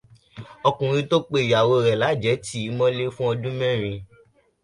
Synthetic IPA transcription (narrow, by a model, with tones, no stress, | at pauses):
ɔ˧kũ˨ɾ̃ĩ˧to˦k͡pe˧˨ja˨wo˧ɾɛ˨la˨˦d͡ʒɛ˨˦ti˨˦mɔ̃˦le˦fũ˦ɔ˧dũ˦mɛ̃˦˨ɾ̃ĩ˧